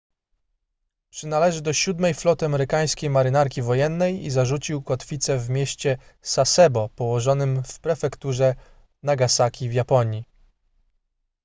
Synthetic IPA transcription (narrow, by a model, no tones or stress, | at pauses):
pʂɘnalɛʐɘd̪ɔɕud̪mɛjflɔt̪ɘamɛɾɘkaj̃skʲejmaɾɘnaɾkʲivɔjɛnːɛjḭzaʐut͡ɕiwkɔt̪fʲit̪sɛvmʲjeɕt͡ɕɛsasɛbɔpɔwɔʐɔnɘmfpɾɛfɛkt̪uʐɛ | naɡasakʲivjapɔɲji